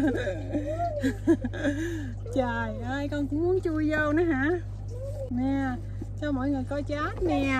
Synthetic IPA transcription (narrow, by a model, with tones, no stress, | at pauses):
t͡ɕaː˧˨˩jʔəː˧jkɔ˧nkʊ̰˧˥ŋ͡mmu˨˦ənt͡ɕu˧əjzə˧wna˨˦ɦa̰ː˧˥ | nɛ˨˩ | t͡ɕɔ˧mo̰˧˨jŋɨ˨˩əjkɔ˧˦t͡ɕaː˨˦˥t̚nɛ˧˩